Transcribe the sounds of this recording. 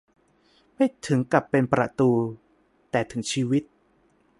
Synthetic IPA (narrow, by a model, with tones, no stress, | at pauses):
ma˥˩jt̪ʰɯ˩˦ŋka˨˩pːe˧npɾa̰˨˩t̪uː˧ | t̪ɛː˨˩t̪ʰɯ˩˦ŋt͡ɕʰiː˧wi˦˥t̪̚